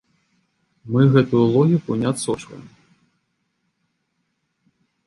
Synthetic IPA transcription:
mɨɣɛt̪ujulˠɔɣʲikunʲat̪sɔt͡ʂkɐ̰jɛm

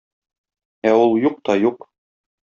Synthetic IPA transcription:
æulˠjuq̚t̪ɒjuq

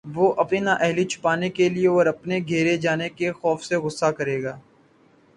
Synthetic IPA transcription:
ʋoːʔɐpninaːʔɛɦlit͡ʃʰʊ̥paːnekelieɔːɾɐpneɡʱeːɾed͡ʒaːnekexɔːfseɣʊsːakɐɾeːɡaː

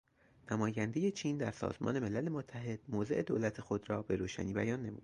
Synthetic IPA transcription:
næmɒːjænd̪e̞je̞t͡ʃʰiːnd̪æɾsɒ̰ːzmɒ̰ːne̞me̞lælemot̪ʰːæɦe̞d̪̥̚moːze̞ʔe̞d̪oːlæt̪ʰe̞xo̞d̪ɾɒːbe̞ɾoːʃæ̰niːbæjɒːnːe̞mṵːd̪̥

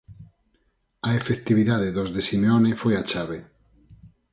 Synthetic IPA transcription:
aefekt̪iβiðaðeðozðesimeonefojat͡ʃaβe

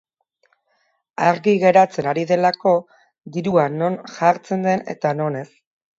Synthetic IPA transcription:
aɾɣiɣe̞ɾat͡se̞naɾiðe̞lako̞ | d̪iɾuano̞nʝaɾt͡se̞nd̪e̞ne̞̰t̪ano̞ne̞s

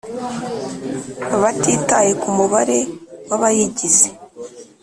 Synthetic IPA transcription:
aβatiːtaje̞kumuβaɾe̞waβajiɟize

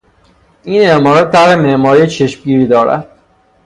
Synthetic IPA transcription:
iːnemɒːɾɒt̪̚t̪ːʰæɾhemeʔmɒːɾijet͡ʃʰeʃmɡiːɾiːd̪ɒːɾæ̰d̪̥

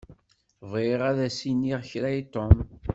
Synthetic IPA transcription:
viʁæðæsiniʁçɾæjt̪ːom

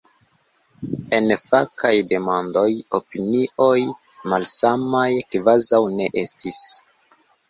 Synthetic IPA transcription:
e̞nfakajde̞mando̞jopiniʔo̞j | malsamajkvazawne̞ʔestis

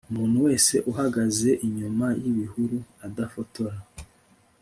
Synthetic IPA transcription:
umuːn̥huwe̞ːse̞ʔuɦaɡaze̞ʔiɲumajiβihuɾuadafo̞to̞ɾa

